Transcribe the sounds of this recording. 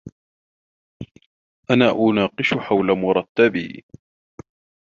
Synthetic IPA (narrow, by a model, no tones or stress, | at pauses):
ʔanaːʔʊnɑːqɨʃħawlamʊɾˤɑt̪ːabiː